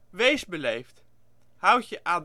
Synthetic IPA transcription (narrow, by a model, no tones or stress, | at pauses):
ʋejzbəlejft | hawtjəʔaːd